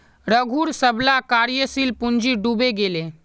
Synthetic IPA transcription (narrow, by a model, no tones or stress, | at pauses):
ɾəɡʱuːɾsəblakaɾijəsilpuɲd͡ʒiɖubeɡele